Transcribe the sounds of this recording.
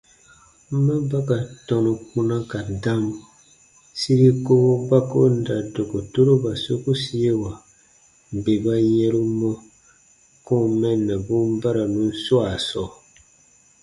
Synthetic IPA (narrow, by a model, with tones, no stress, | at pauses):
m̩˦ma˦ba˦ka˨tɔ̃˨nu˨kũ˦na˦ka˨da˦m˨ | si˦ɾi˦ko˦ba˦ko˦n̩˦da˨do˨ko˨to˦ɾo˦ba˨so˦ku˦si˦e˦wa˨ | m̩˨be˨ba˦jɛ˦ɾu˦mɔ˦ | ko˦mɛ˦nːɛ˨bũ˦m˦ba˦ɾa˨nũ˨˦n̩˦swa˨sɔ˨